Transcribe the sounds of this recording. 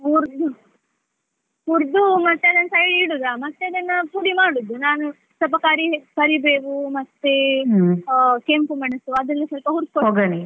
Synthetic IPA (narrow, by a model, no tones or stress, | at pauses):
uɾd̪u | uɾd̪umɐt̪ːeɐd̪ɐnːɐsɐjliɽud̪amɐt̪ːeɐd̪ɐnːɐpuɽimaːɽud̪ːunaːnu | sɐpɐkaːɾibɐɾibeːkumɐt̪ːe | kempumɐɳɐsuɐd̪ɐnːisɐlpɐɦuɾt̪̚kooːɡɐni